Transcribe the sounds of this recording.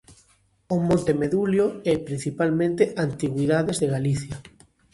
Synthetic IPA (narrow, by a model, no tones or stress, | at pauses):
omõnt̪emeðuljoɛpɾin̟θipalmẽnt̪eʔant̪iɣwiðaðezðeɣaliθjɐ